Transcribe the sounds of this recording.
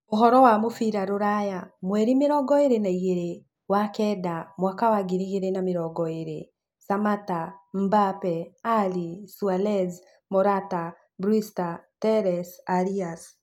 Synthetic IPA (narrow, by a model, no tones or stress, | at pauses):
oɦɔɾɔwamofiɾaɾoɾajamwɛɾimeɾɔɡɔeɾenaiɣeɾe | wakɛdamwakawaɡiɾiɣeɾenameɾɔɡɔeɾe | samatam̩bapɛalisualɛz | mɔɾata | bɾistatɛɾɛsaɾias